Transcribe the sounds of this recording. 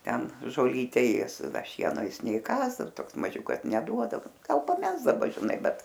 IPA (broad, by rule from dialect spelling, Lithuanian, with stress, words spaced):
ˈtʲɛn ʒoːˈlʲiːtʲɛ ˈeːs ˈdɐ ˈʃʲiɛnoː ˈjɪs nʲɛɪˈkɑːs ˈdɐr ˈtoːks mɐˈʒʲʊkɐs nʲɛˈduɔdɐʋoː ˈɡɐlˠ pɐˈmʲæːzdɐˈbɐ ʒʲɪˈnɐɪ ˈbʲɛt